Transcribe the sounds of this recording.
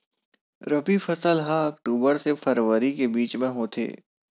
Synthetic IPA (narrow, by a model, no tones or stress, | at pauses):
ɾɐbifɐsəlɦaɐkʈuːbəɾsefʰɐɾʋəɾikebiːt͡ʃmẽɦoːt̪ʰḛː